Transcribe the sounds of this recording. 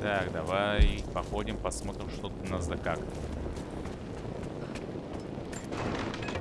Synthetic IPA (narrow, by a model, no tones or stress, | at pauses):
t̪aɡd̪ɐvajpɐxo̞dʲɪmpɐsmo̞t̪ɾʲɪmʂt̪od̪nazd̪ɐkakt̪ə